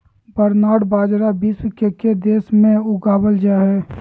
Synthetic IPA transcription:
bəɾnaːɽbaːd͡ʒɾabiswkeked̪eːsmẽʊɡaːbəld͡ʒaːɦɛː

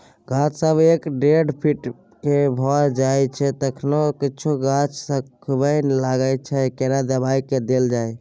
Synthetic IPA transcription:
ɡãt͡ʃʰsəbekɖeɖpʰiʈ | kebʱɔd͡ʒajt͡ʃʰɛt̪əkʰnokit͡ʃʰuɡãt͡ʃsəkʰbəjnlaɡət͡ʃʰɛkeɾad̪əbaiked̪eld͡ʒaj

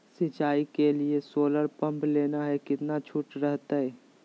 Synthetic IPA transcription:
sɪt͡ʃaːikeliesoːləɾpə̃mpleːnaɦɛkɪt̪nat͡ʃʰʊʈɾɛɦt̪aɦɛː

